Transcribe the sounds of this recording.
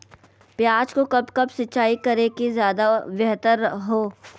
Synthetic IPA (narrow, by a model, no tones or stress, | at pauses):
pjaːd͡ʒkokɐbkɐbsɐtːt͡ʃaːikɐɾekizjaːd̪aʋjɛɦt̪əɾɦoː